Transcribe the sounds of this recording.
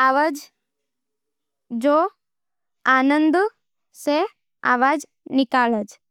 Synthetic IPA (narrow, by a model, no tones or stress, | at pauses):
aʋad͡ʒ | d͡ʒo | aːnənd̪ | se | a̰ʋad͡ʒ | nɪkaːləd͡ʒ